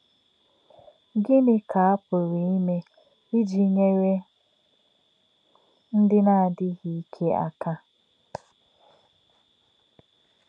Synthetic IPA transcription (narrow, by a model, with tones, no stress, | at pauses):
ɡɪ˦nɪ˨kʰa˨a˦pʊ˨ɾi˨i˦me˦ | i˦d͡ʒi˦ɲe˦ɾe˦ | n̩˦dɪ˦na˦a˨dɪ˦ɣi˨i˦kʰe˦a̰˦ka˦